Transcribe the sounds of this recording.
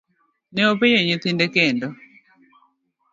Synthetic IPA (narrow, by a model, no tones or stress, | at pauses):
nɛopejeɲɪt̪indekendɔ